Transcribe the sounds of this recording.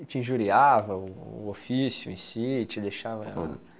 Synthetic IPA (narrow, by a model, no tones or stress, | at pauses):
t͡ʃɪĩʒuɾiavɐʊ̰ːofisjʊẽsit͡ʃɪd̪ejʃavɐ